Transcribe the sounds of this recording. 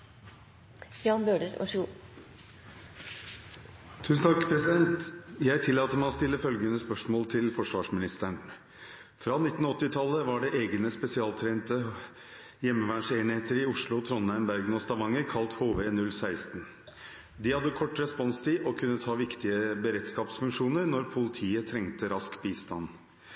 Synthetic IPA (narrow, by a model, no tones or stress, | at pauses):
jɑːnbøːɖəɾɔ̰ʂu | t̪ʰʉːsn̩t̪ʰɑkːpʰɾɛsɪd̪ɛnt̪jæɪt̪ʰɪlːɑːt̪əmæɪɔst̪ɪlːəfœlɡənəspœʂmoːlt̪ʰɪlfɔʂʋɑːʂmɪnɪst̪əɳ | fɾɑːnɪt̪ːn̩ɔt̪ːɪt̪ʰɑlːəʋɑɖɛʔeːɡənəspɛsɪɑːlt̪ʰɾeːnt̪ə | jɛmːəʋæːɳʂeːnɪheːt̪əɾɪʊʂlʊt̪ʰɾɔnæɪmbæɾɡnɔst̪ɑʋɑŋːəɾkʰɑlt̪hoːʋeːnʉlːsæɪst̪n | d̪ɪhɑd̪ːəkʰɔʈːɾɛspɔnst̪ʰɪʔɔkʰʉnːət̪ʰɑːʋɪkt̪ɪəbəɾɛːt̪skɑːpsfʉŋkʂuːnəɾnɔɾpʰʊlɪt̪ʰiːət̪ʰɾɛŋt̪əɾɑskbiːst̪ɑn